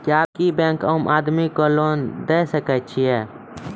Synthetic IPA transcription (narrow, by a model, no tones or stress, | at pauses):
kaːb̚kibɛ̃ːŋkomʔaːd̪mikoːloːnd̪eːsəkət͡ʃʰiɛː